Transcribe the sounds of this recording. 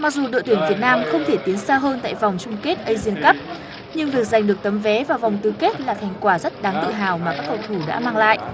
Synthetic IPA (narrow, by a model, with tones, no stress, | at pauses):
ma˨˩k̚zu˨˩ɗo̰˧˨jt̪wi˧˩ənvi˨˩ət̚naː˧mxə˧wŋ͡mt̪ʰe˧˩t̪i˨˦ənsaː˧wɦəː˧nt̪a̰ː˧˨jva˨˩wŋ͡mt͡ɕʊ˧ŋ͡mke˦˥t̚ʔə˧jzi˧ənkə˦˥p̚ | ɲɨ˧ŋvi˨˩ək̚za˨˩jŋ̟ɗɨ˨˩ək̚t̪ə˨˦mvɛ˨˦vaː˨˩wva˨˩wŋ͡mt̪ɨ˧˩ke˦˥t̚laː˨˩xa˨˩jŋkwaː˧˩zə˦˥t̚ɗaː˨˦ŋt̪ɨ̰˧˨ɦaː˨˩wmaː˨˩kaː˦˥k̚ə˨˩wt̪ʰu˧˩ɗa̰ː˧˥maː˧ŋla̰ː˧˨jʔ